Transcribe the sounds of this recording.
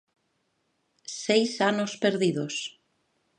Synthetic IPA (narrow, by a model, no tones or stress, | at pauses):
sejsanospeɾðiðos